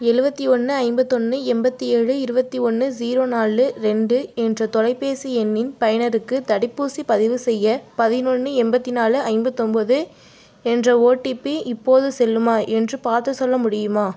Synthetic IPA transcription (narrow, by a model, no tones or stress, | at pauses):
ɛɻɯbɐt̪ːiɔnːɯɐɪmbɐt̪ːɔnːɯɛmbɐt̪ːieːɻɯɪɾɯbɐt̪ːiɔnːɯziːɾoːnaːlɯɾɛɳɖɯɛndrɐt̪ɔlɐɪpːeːsiɛnːɪnpɐjɐnɐɾɯkːɯt̪ɐɽɪpːuːsipɐðɪʋɯsɛjːɐpɐðɪnɔnːɯɛmbɐt̪ːinaːlɯɐɪmbɐt̪ːɔmbɐðɯ | ɛndrɐoːʈːipːiʔɪpːoːðɯsɛlːɯmaːʔɛndrɯpaːɾt̪ɯsɔlːɐmʊɽɪjɯmaː